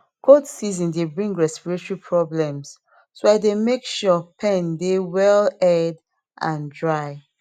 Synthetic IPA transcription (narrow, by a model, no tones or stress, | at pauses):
kʰodsizɔ̃ndebɹĩŋɡɹɛspiɹet͡ʃɔɹipʰɹɔblɛ̃ms | soaɪdemekʃɔpʰɛ̃ndewɛlɛd | ʔã̰ndɹaɪ